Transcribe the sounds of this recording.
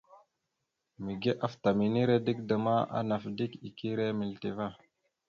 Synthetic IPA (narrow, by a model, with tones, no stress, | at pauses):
mi˨ɡe˦ʔa˦fta˨mi˨ni˦ɾe˦di˦kdə˨ma˦a̰˦na˨fdi˦ki˨ki˦ɾe˦mi˨lti˨va˦